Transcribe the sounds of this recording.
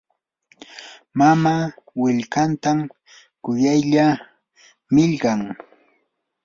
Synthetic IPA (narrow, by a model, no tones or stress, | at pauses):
mamaːwɪʎkant̪am | kʊjajʎa | mɪʎɢaŋ